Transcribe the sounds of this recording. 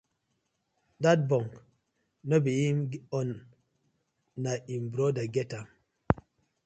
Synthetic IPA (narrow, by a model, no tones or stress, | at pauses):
dat̚bɔ̃ŋk | nɔbijimɡɔn | aimbɾɔdaɡɛta